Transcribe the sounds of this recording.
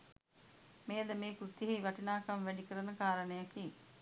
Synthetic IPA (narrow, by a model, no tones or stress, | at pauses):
meːd̪əmeːkɾut̪iɦiʋɐʈinaːkɐmʋæɖikəɾənəkaːɾənəjakiŋ